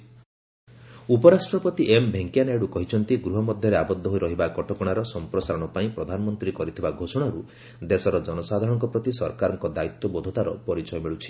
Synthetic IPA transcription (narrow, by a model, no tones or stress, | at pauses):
upɔɾasʈɾɔpɔt̪iʔembʱeŋkjaneɽukɔɦit͡ʃʰɔnt̪iɡɾuɦɔmɔd̪ʱjɔɾeabɔd̪ʱːɔɦojɾɔɦibakɔʈɔkɔɽ̃aɾɔsɔmpɾɔsaɾɔɽ̃ɔpaĩpɾɔd̪ʱanɔmɔnt̪ɾikɔɾit̪ʰibaɡʱosɔɽ̃aɾu | d̪esɔɾɔd͡ʒɔnɔsad̪ʱaɾɔ̃ɔŋkɔpɾɔt̪isɔɾkaɾɔŋkɔd̪ait̪ːwɔbɔd̪ʱɔt̪aɾɔpɔɾit͡ʃɔjɔmiɭut͡ʃʰi̥